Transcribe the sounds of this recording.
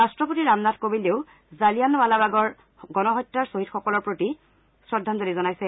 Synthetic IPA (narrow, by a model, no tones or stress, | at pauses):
ɹastɹɔpotiɹamnatkobileʊ | zalijanbalabaɡɔɹ | ɡɔnɔɦɔjtːɹaɹsoɦitxɔkɔlɔɹpɹoti | sɹɔdʱːantonizɔnajsɛ